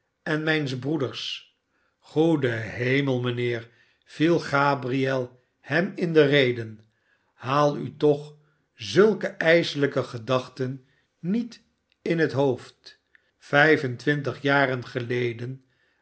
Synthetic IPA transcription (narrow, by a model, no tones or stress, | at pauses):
ɛnmɛjnzbrudəɹs | χudəɦejməlˠmənɪːɹ | v̥ilˠχaːbriɛlˠ | hɛmɪndərejdən | haːlˠy̰tɔχ | zɵlˠkəʔɛjzələkəχədɑχtənː | it | ɪnɦətɦowft | fɛjvəntʋɪnt̬əχjaːɾənχəlejdən